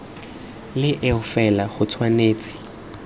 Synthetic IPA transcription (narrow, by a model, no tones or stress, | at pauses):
lɪʔɪʊfɛlaχʊt͡sʰwaneːt͡sʼɪ̥